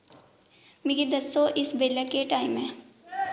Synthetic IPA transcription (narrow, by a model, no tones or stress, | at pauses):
mɪɡid̪ɐsːoʔɪsbeːləkeʈaːɪmɦɛ̃ː